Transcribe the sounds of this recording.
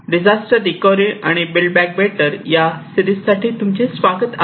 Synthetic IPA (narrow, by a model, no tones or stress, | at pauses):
ɖid͡ʑasʈəɾd̪ikɔɾia̰ɽ̃ibilbæk̚beʈəɾjast̪ʰiɾissːaʈiːt̪umt͡ɕesʋaɡət̪a